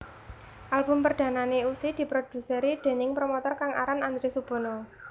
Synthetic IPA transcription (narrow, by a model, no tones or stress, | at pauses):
ʔalbʊ̤mpərd̪̥ä̤naneusid̪̥i̤pɾod̪̥ṳsəɾid̪̥e̤nɪŋpɾomɔt̪ɔrkaŋa̰ɾanand̪ɾesub̥ɔ̤nɔ